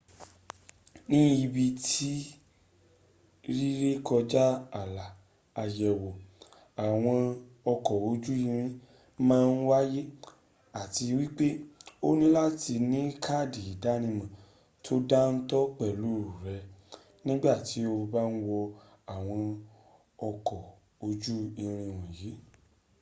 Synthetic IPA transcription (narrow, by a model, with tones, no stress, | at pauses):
nĩ˦i˧bi˧tʰi˦ | ɾi˦ɾe˦kɔ˧d͡ʒa˦a˨laː˨˧ | jɛ˨wo˨ | a˨w̃ɔ̃˧ | ɔ˧kɔ˨o˨˦d͡ʒu˦ĩ˧ɾ̃ĩ˦ | mãː˦˧n̩˦wa˦je˦ | a˦˨ti˧wi˦k͡pe˦o˦nĩ˦la˦ti˧nĩ˨˦kʰa˦˨di˨i˨da˨˦nĩ˧mã˨ | tʰo˦da˦n̩˦tɔ˦k͡pɛ˦˨lu˦ɾu˨ɾɛ˧˦ | nĩ˦ɡ͡ba˦˨ti˨˦o˧ba˦n̩˦wɔ˧ | a˨w̃ɔ̃˧ | ɔ˧kɔ˨ | o˧d͡ʒu˦i˧ɾ̃ĩ˧wɔ̃˨jiː˨˦